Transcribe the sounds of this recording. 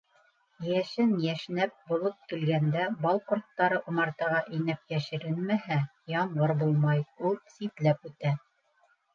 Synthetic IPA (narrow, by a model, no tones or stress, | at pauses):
jæʃɘnjæʃnæp̚bŭlˠɤp̚kɘ̆lɡænd̪æbɑlˠkort̪ːɑɾɤʔŏmɑɾt̪ɑʁɑʔinæp̚jæʃɘ̆ɾɘlmæhæ | jɑmʁɤɾbulˠmɑjulˠsit̪læpʉt̪æ